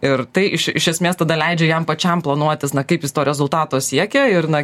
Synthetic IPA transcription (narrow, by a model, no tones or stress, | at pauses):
ɪrt̪ɐɪʔɪʃɪʃʲɛsʲmʲeːst̪ɐd̪ɐlʲɛɪd͡ʒʲɛjɛmpɐt͡ʃʲɛmplˠɐnuɔt̪ʲɪsnɐkɐɪpjɪst̪oːɾʲɛzʊlˠt̪ɑːt̪oːsʲiɛkʲɛɪrnɐ